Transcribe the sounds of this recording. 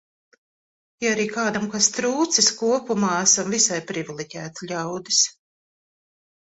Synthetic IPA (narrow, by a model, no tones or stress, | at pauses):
jaaɾiːkaːd̪amkast̪ɾuːt̪siskuɔpumaːæsamvisajpɾivʲilˠiɟʲæːt̪ʎʲawd̪is